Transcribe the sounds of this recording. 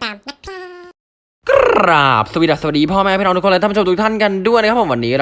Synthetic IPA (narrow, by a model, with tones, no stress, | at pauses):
kɾa̰ː˨˩p̚sa˧wi˩t̚a˨˩sa˧wa˨˩diː˧pʰɔː˥˩mɛː˥˩pʰiː˥˩ʔnu˦˥k̪ʰːo˧˩t̪ʰu˥kt̪ʰa˥˩nka˧ndu˥˩jna˦˥kʰa˥pʰːo˨˦wa˧nːiː˦˧ɾ